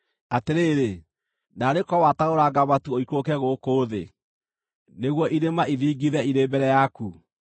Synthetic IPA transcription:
ateɾeːɾe | naɾekɔwataoɾaɡaβatuoikokɛɣoːkoːðḛ | neɣwɔʔiɾemaʔiviːɡiðɛiɾeːbɛɾɛjaku

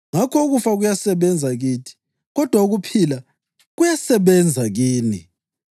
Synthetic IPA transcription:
ŋakʰɔuɣufaɣujasɛβɛnd͡zʱaɣiːtʰi̥ | ɣɔd̥ʱwauɣupʰila | ɣujasɛβɛnd͡zʱaɣiːni

